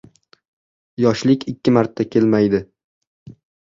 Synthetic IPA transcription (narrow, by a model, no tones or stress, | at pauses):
jɒʃlɪkʲʰɪkʲʰːɪmaɾt̪ʰːakʲʰe̞lmajd̪ɪ